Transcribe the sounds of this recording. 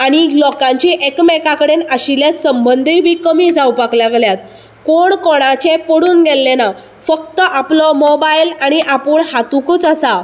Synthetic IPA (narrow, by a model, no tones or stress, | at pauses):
aɽ̃ilɔkãɲt͡ɕiʔekmɛkakəɽenəɕiljasəmbənd̪ʱibʱiːkəmiːd͡zawpaklaɡljat̪ | koɳkɔɽ̃at͡ɕepəɽuːnɡelːena | fək̚t̪əʔaplɔmobajlaɽ̃iʔapuːɳhat̪ukət͡səsa